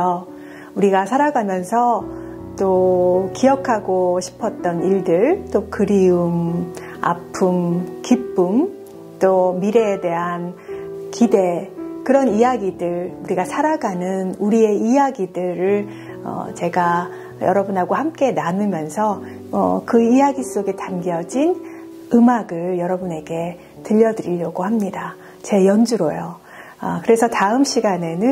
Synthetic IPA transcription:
jo | uɾiɡasʰaɾaɡamjʌnsʰʌ | t͈okijʌkʰaɡoɕʰi̥pʰʌt̚t͈ʌniɭdɯɭt͈okɯɾium | a̰pʰɯmkip͈um | t͈omiɾe̞de̞ɦankide̞kɯɾʌnijaɡidɯɾuɾiɡasʰaɾaɡanɯnuɾie̞ijaɡidɯɾɯɭ | ʌ̰t͡ɕe̞ɡa | jʌɾʌbunɦaɡohamk͈e̞nanɯmjʌnsʰʌ | ʌ̰kɯijaɡis͈oɡe̞tanɡjʌd͡ʑin | ɯmaɡɯɭjʌɾʌbune̞ɡe̞ | tɯʎːʌdɯɾiʎːʌɡohamɲida | t͡ɕe̞jʌnd͡ʑuɾojo | ʌkɯɾe̞sʰʌtaɯmɕ͈ʰiɡane̞nɯ

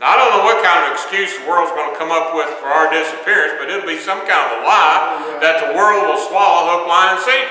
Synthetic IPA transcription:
naɪɾõʊ̃nːoʊwʌt̚kʰãɪ̃ndʌvɨkskjʉzðəwɜ˞lˠdzɡʌ̃nɨkʰʌ̃mʌpwɪð̥fə˞aʊə˞dɪsɨpʰɪɹɨ̃nsb̥ʌɾɪɾl̩ˠbisʌ̃mkʰãɪ̃ndʌəlaɪ | ðɨt̪̚ðəwɜ˞lˠd̚wəlˠswɔlˠlʊk̚mãɪ̃ɨ̃nsi

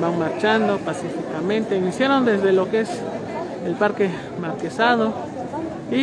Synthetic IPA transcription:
baŋmaɾt͡ʃand̪opasifikamẽnt̪einisjaɾond̪ezðelokes | elpaɾke | maɾkesaðo | i

